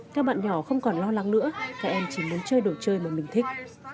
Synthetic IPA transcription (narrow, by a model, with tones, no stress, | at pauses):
kaː˦˥k̚ɓa̰ː˧˨nɲɔ˧˩xə˧wŋ͡mkɔ˨˩nlɔ˧la˨˦ŋnɨ̰˧˥əkaː˦˥k̚ʔɛ˧mt͡ɕi˧˩mu˨˦nt͡ɕəː˧jɗo˨˩t̚t͡ɕəː˧jmaː˨˩mï˨˩ŋ̟t̪ʰï˦˥k̚